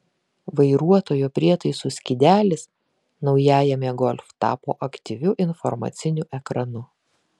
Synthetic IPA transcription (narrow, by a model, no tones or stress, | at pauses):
ʋɐɪɾuɔt̪oːjupʲɾʲiɛt̪ɐɪsʊsʲkʲɪd̪ʲæːlʲɪs | nɒʊjæːjɛmʲɛɡɔlʲft̪ɑ̰ːpo̰ːʔɐkt̪ʲiʋʲʊʔɪnfɔɾmɑ̰ːt̪sʲɪnʲuʔɛkɾɐnʊ